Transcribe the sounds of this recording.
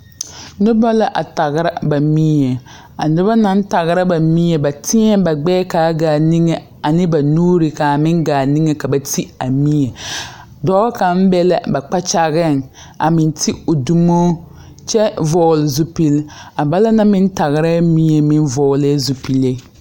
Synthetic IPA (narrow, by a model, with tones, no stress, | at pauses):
nʊ˦ba˦la˦ʔa˨ta˨ɡɪ˦ɾa˦ba˨mi˦ɲe˨ | a̰˨nɪ˦ba˦na˦n˦ta˨ɣɪ˦ɾa˦ba˨mi˦ɲɛ˨ba˨tɪ˦ɲɛ˦ba˨ɡ͡bɛː˦ka˨˦ɡaː˨ni˦ŋe˨ | a˨nɪ˦ba˨nuː˦ɾɪ˨ka˨mɪ˦ŋɡaː˨ni˦ŋe˨ka˨ba˨tʰi˦a˨mi˦ɲe˨ | dɔː˦ka˨m̩˦bɛ˦la˦ba˨k͡pa˦t͡ʃa˦ɣɪ˦˨n | a̰˨mɪ˨ntʰi˦o˨du˦moː˦ | t͡ʃɛ˦vɔː˨lɪ˨zu˦pi˦la˨ba˦la˦na˦mɪ˦n˦ta˨ɣɪ˨ɾa˦mi˦ɲe˨mɪ˦nvɔː˨lɪ˦zu˨pi˨le˦